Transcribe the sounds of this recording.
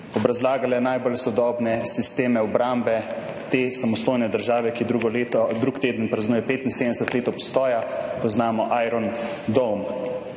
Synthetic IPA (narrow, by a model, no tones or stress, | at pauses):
ɔbɾazlaːɡalɛnajbolsɔd̪ɔːbnɛsist̪eːmɛɔbɾambɛ | t̪eːsamɔst̪oːjnɛd̪əɾʒaːʋɛkid̪ɾuɡɔlet̪ɔd̪ɾuːkt̪eːd̪ənpɾaznuːjɛpeːt̪inseːd̪ɛsət̪leːt̪ɔpst̪ɔːjapɔznaːmɔʔaːjɾɔn | d̪ɔlm